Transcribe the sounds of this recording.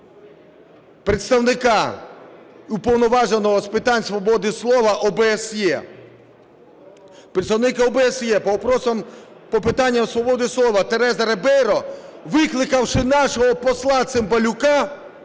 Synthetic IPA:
pɾet̪st̪ɐwnɪkɑ | upɔwnɔʋɑʒenɔɦɔspɪt̪ɑnʲsʋɔbɔd̪ɪslˠɔʋɐʔɔbesjɛ | pɾet̪st̪ɐwnɪkɪɔbeɛsjɛpɔɔpɾɔsɔm | pɔpɪt̪ɑnʲːɐmsʋɔbɔd̪ɪslˠɔʋɐt̪eɾɛzɐɾebɛɾɔʋɪklˠɪkɐwʃɪnɑʃɔɦɔpɔslˠɑt̪sɪmbɐlʲʊkɑ

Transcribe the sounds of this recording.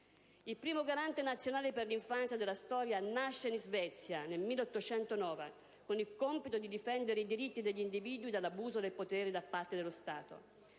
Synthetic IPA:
ilpɾiːmoɡaɾant̪enat̪sjonaːleperliɱfant̪sjad̪elːast̪ɔːɾjanaʃːenzvɛt̪sːjanelmilːeot̪ːot͡ʃɛnt̪onɔːva̰ | konilkompit̪od̪id̪ifɛnd̪eɾeid̪iɾit̪ːid̪eʎːind̪iviːd̪uid̪alːabuːzod̪elpot̪ɛːɾed̪apːart̪ed̪elːost̪aːt̪o̰

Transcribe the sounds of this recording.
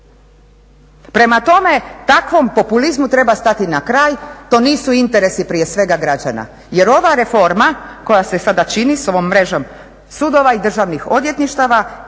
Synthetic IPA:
pɾe̞mat̪o̞me̞t̪akʋo̞mpo̞pulizmut̪ɾe̞bast̪at̪inakɾaːjt̪o̞niːsuint̪e̞ɾe̞sipɾije̞sʋe̞ɡaɡɾad͡ʑa̰na̰ | je̞ɾo̞ʋaɾe̞fo̞ɾmako̞jase̞sad̪at͡ʃiniso̞ʋo̞mːɾe̞ʒo̞m | sud̪o̞ʋaid̪r̩ʒaʋnixo̞d̪je̞t̪niʃt̪aʋa

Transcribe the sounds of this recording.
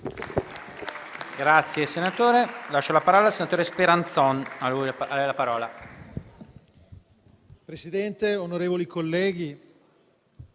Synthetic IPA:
ɡɾat̪sːjesenat̪oːɾelat͡ʃːolapaɾɔːlalsenat̪oːɾespeɾant̪sɔnalujalɛjlapaɾɔːla | pɾesid̪ɛnt̪eonoɾeːvolikʰolːɛːɡi

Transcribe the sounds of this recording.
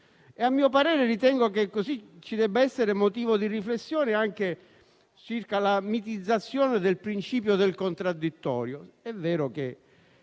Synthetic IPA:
eamːiːopaɾɛːɾerit̪ɛŋɡokekːozit͡ʃːid̪ɛbːaɛsːeɾemot̪̬iːvod̪iriflesːjɔːneaŋk̟e | t͡ʃirkalamit̪id̪zːat̪sːjɔːned̪elpɾint͡ʃiːp̬jod̪elkont̪ɾad̪ːit̪ːɔ̰ːɾjoɛvːɛːɾok̟e

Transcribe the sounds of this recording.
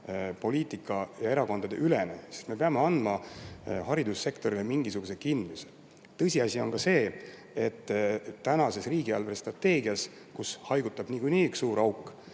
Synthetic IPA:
po̞liːt̪ˑikːˑɑjɑe̞ɾɑko̞nd̪̥ɑd̪̥e̞ʔyle̞nḛsi̥st̪me̞pe̞ɑme̞ɑnd̪mɑhɑɾid̪̥usːe̞kt̪o̞ɾile̞miŋɡisuɡ̥usekind̪muse | t̪ɤ̞sʲiɑsʲio̞nkɑse̞ː | et̪ːænɑse̞sriːɡiɑ̰lverst̪rɑt̪ːe̞ːɡ̥iɑs | kushɑjɡ̥ut̪ːˑɑb̥niːkujniːyksːuːɾɑwkːˑ

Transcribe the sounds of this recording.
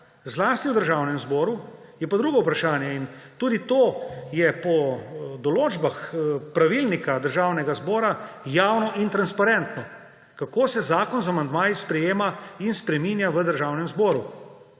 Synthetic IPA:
zlaːst̪iwd̪əɾʒaːwnɛmzbɔːɾu | jɛpad̪ɾuːɡɔwpɾaʃaːnjɛint̪uːd̪it̪oːjɛpɔd̪ɔloːd͡ʒbaxpɾaʋilnikad̪əɾʒaːwnɛɡazbɔːɾajaːwnɔʔint̪ɾanspaɾɛnt̪nɔ | kakoːsɛzaːkɔnzamand̪maːjispɾɛjeːmainspɾɛminjaʋəd̪əɾʒaːwnɛmzbɔːɾu

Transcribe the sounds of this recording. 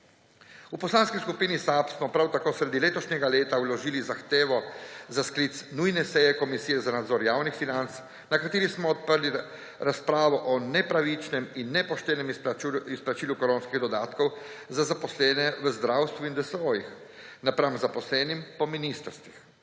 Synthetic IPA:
upɔslaːnskiskupiːnisapsmɔpɾawt̪akoːsɾed̪ileːt̪ɔʃɲɛɡaleːt̪awlɔʒiːlizaxt̪eːʋɔzaskliːt̪snujnɛsɛjɛkɔmisiːjɛzanad̪zɔːɾjaːwnixfinant̪s | nakat̪eːɾismɔːt̪̚pəɾli | ɾaspɾaːʋɔʔɔnɛpɾaʋit͡ʃnɛminːɛpɔʃt̪ɛːnɛmisplat͡ʃiːlukɔɾoːnskiɣd̪ɔd̪aːt̪kɔwzazapɔslɛːnɛʋəzd̪ɾawst̪ʋuind̪əsʋoːjix | napɾamzapɔslɛːnimpɔminist̪əɾst̪ʋix

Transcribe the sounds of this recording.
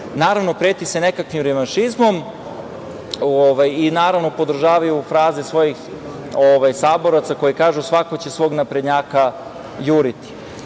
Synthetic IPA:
naːɾaʋno̞pɾet̪isene̞kakʋimɾeʋanʃizmo̞m | oʋajinaːɾaʋno̞po̞d̪r̩ʒaːʋajufɾaːzesʋo̞jix | oʋajsaːbo̞ɾat̪sako̞jikaːʒusʋako̞t͡ɕe̞sʋo̞ːɡnapɾe̞d̪ɲaːka | juːɾit̪i̥

